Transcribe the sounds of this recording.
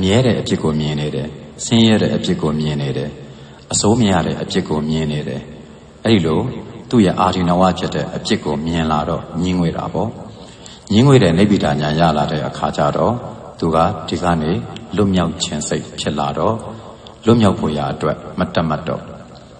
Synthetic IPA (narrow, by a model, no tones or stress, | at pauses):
əmjɛɾɛ̰ʔəpjɪkːomjɪ̃neɾɛsɪ̃jɛɾɛ̰ʔəpjɪkːomjɪ̃neɾɛ | ʔəsʰoməjä̰ɾɛ̰ʔəpjɪʔkːomjɪ̃neɾɛ | ʔɛɾilot̪ṵjɛ̰ʔaɾinəwa̰pʰjɪtːɛ̰ʔəpjɪkːomjɪ̃laɾɔ̰ɲiŋwḛɾa̰bɔ | ɲiŋwḛɾɛneɪʔpidãɲãja̰ladɛ̰ʔəkʰat͡ɕa̰ɾɔ | t̪uɡä̰d̥iɡä̰nelʊʔmjaʊt͡ɕʰɪ̰̃nseɪʔpʰjɪʔlaɾɔ | lʊʔmjaʊpʰo̰jaʔətwɛʔmətam̥atːɔ̰